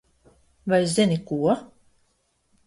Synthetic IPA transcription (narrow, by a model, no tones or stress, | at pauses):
vajszʲinikuɔ